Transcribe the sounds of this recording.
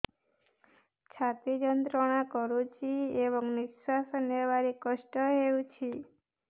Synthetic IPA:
t͡ʃʰat̪id͡ʒənt̪ɾəɽ̃ãkɔɾũt͡ʃʰieʋɔŋniʃsasənjeʋaɾikəʃʈəɦeũt͡ʃʰi

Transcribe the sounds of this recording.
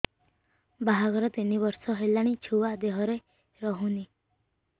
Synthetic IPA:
baɦaɡɔɾɔt̪inibɔɾsɔɦelaɽ̃it͡ʃʰuwad̪eɦɔɾe | ɾɔɦũni

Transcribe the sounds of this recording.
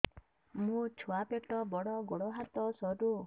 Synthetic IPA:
mũt͡ʃʰuapeʈɔbɔɽɔɡɔɽɔɦat̪ɔsɔdu

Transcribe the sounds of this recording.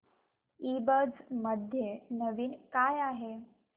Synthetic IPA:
ibəd͡zməd̪ʱjenəʋiːnkajaɦe

